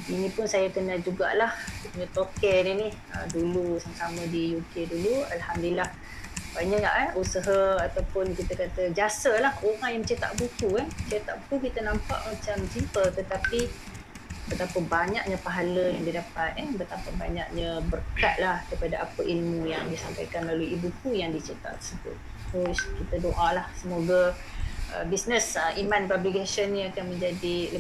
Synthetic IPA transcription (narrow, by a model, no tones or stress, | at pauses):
inipʊnsajakənad͡ʒuɡa̰ʔlahsupuɲat̪okɛninih | ə̰dulusamsamədijukedulualhamdilah | baɲaʔna̰ʔɛʔusəɦaat̪awpʊnkit̪əkat̪əd͡ʒasəlahoŋajaŋmt͡ʃat̪a̰ʔbuk̪uɛt͡ʃet̪aʔbut̪ukit̪ənãmpa̰ʔmat͡ʃamt͡ʃimpət̪ət̪api | bət̪apəbaɲak̚ɲəpaɦaləjaŋdidapat̪̚ɛnbət̪apəbaɲa̰ʔ̚ɲəbərkat̪̚lahɡipadaapəʔilmujaŋdisampajkanlaluiibuk̪ujaŋdit͡ʃet̪a̰ʔt̪ərsəbʊ̰t̪̚ | t̪oskit̪ədoʔalahsəmoɡa | ʔə̰bisnəsəʔimãnpabliɡasənːĩakanmə̃ɲd͡ʒadilə